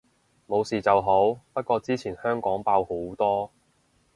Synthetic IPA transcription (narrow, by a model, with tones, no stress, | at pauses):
mo˨˧wsiː˨˩t͡sɐ˨wɦo˨˥wpɐ˥t̚kɔː˧t͡siː˥t͡sʰiː˨˩nhœː˥ŋkɔː˨˥ŋpaː˧who˨˥wt̪ɔː˥